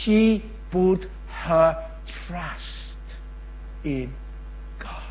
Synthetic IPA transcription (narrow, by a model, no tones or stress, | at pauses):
ʃi | bɔʊt | hə˞ | tʰɹ̥ʌs | t | ɪ̃n | ɡ̥ɑ